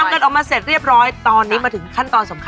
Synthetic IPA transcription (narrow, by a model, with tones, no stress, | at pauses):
a˧˥ka˧nʔɔː˨˩maː˧se˨˩t̪̚ɾi˥˩əp̚ɾɔː˦˥jt̪ɔː˧nːiː˦˥maː˧t̪ʰɯ˩˦ŋkʰa˥˩nt̪ɔː˧nso˩˦mkʰ